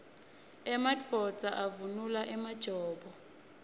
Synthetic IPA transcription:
ɛmatfɔt͡sʼaʔavunulaʔɛmad̥ʒ̥ʱɔːbɔ

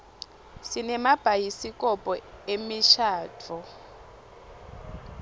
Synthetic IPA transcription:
sinɛmab̥ʱajisikʼɔpʼɔemiʃaːtʰɔ

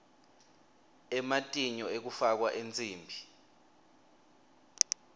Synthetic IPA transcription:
ɛmatʼiɲɔek̬ufak̬waʔent͡sʼiːmbʱi

